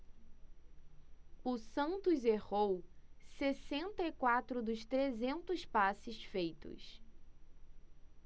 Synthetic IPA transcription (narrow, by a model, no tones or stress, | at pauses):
ʊsɐ̃nt̪ʊzehowsesẽnt̪ɐikwat̪ɾʊd̪ʊst̪ɾezẽnt̪ʊspasɪsfejt̪ʊ̰s